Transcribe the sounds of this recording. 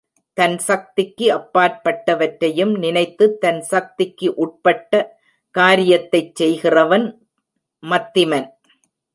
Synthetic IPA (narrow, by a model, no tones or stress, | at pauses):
t̪ɐnsɐk̚t̪ɪkːɯɐpːaːɾpɐʈːɐʋɐʈɾɐjɯmnɪnɐɪt̪ːɯt̪ːɐnsɐk̚t̪ɪkːɯʔʊʈ̚pɐʈːɐ | kaːɾɪjɐt̪ːɐɪt͡ʃsɛjɣɪrɐʋɐn | mɐt̪ːɪmɐn